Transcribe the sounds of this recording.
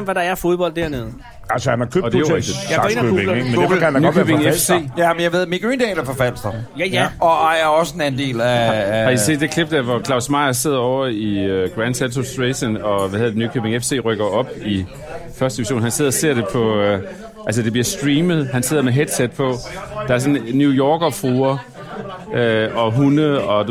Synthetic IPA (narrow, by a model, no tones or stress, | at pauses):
mʋæɾɑ̈æɐfo̝ðˠb̥ɒ̽l̰d̥æɐneð̞̩ˠ | ælsəhænhɑkʰød̥ejoɡ̥d̥id̥jḁɔe̝nømɡkænnykøb̥eŋefse̝̰ːjæmenjaʋe̝ð̞̰ˠmiɡ̥ʁḭːnd̥ɛːlæɐfɒfæl̰sd̥ɐjæjæɒ̽ɑɪæɒ̽səenæn̩d̥e̝̰ːlææie̝̰d̥e̝kʰle̝b̥̚d̥æɐʋɒkʰlɑ̈ʊsmɑ̈ɪ̰ɐse̝ð̰ˠɐɒʊ̰ɐiøɡ̥ʁænd̥sæsʰosd̥ʁeɕənɒ̽ʋæheðɐðˠdenykʰøb̥e̝ŋefse̝̰ːʁœɡ̥ɐɒ̽b̥i | fɶɐsd̥eiʋiɕo̝̰ːnhænse̝ð̰ˠɒse̝ɐ̰ɾ̥e̝pʰɒ̽ | ʔæls̬əd̥e̝b̥liɐsd̥ʁiːməð̞̩ˠhænse̝ð̰ˠɐmeɦed̥sed̥̚pʰɒ̽d̥ɑ̈æɐsɔ̽nnjujɒːɡ̥ɐfʁuːɐ | øɒ̽ɦunəɒ̽